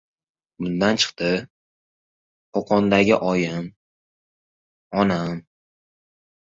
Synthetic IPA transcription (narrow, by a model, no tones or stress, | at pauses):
bʊnd̪ant͡ʃʰɨ̥qt̪ɪ | qʰoqʰɒnd̪aɡʲɪʔɒjɪm | ɒnam